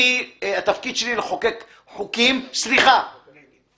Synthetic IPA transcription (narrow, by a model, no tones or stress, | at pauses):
iat̪afkid̪ʃelileχokek | ħukimsliχa